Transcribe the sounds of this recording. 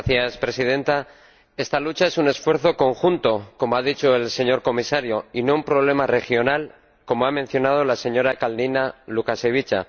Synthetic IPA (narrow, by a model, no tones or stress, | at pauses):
θjaspɾe̞siðẽ̞nt̪a | e̞st̪alut͡ʃae̞sune̞sfwe̞ɾθo̞ko̞ŋxunt̪o̞ko̞moaðit͡ʃo̞e̞lse̞ɲo̞ɾko̞misaɾjo̞ino̞umpɾo̞β̞le̞mare̞xjo̞nal | ko̞moamen̟θjo̞nað̞o̞lase̞ɲo̞ɾakalninalukase̞β̞it͡ʃa̰